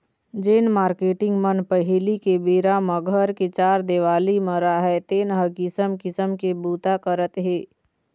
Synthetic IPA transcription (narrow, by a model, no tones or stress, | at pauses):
d͡ʒeːnmaːɾkeːʈɪ̃ŋɡmənpəɦɪlikebeːɾaməɡʱəɾket͡ʃaːɾd̪eːʋaːliməɾaɦɛt̪eːnɦəɾkɪsəmkɪsəmkebuːt̪akəɾət̪ɦeː